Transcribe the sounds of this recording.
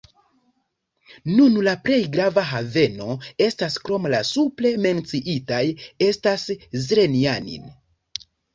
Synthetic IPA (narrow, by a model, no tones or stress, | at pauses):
nunlapɾe̞jɡɾavaɦave̞no̞e̞staskɾo̞mlasuple̞me̞nt͡siʔitaje̞staszɾenianḭn